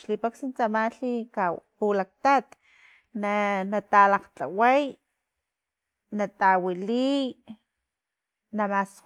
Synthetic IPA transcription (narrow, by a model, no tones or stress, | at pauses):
ʃlipaksint͡samaɬikapulak̚t̪at̪ | nanat̪alaqt͡ɬa̰waj | nat̪awili | namas